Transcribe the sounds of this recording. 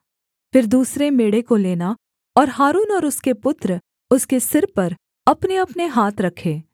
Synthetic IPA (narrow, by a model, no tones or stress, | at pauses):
fɪɾd̪uːsɾemeːɽekoleːna | ɔːɾɦaːɾuːnɔːɾʊskepʊt̪ɾə | ʊskesɪɾpɐɾ | ɐpneɐpneɦaːt̪ʰɾɐkʰːeː